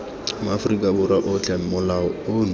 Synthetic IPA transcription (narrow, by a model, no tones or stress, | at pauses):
mʊafrikʼabʊɾaʔɔt͡ɬʰʼam̩mʊlaɔon